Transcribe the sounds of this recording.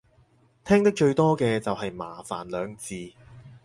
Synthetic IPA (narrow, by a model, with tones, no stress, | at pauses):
t̪ʰɛː˥ŋt̪ɐ˥k̚t͡ʃɵ˧ɥt̪ɔː˥kɛː˧t͡sɐ˨wɦɐ˨jma̰ː˨˩fa̰ː˨˩nlœː˨˧ŋt͡siː˨˧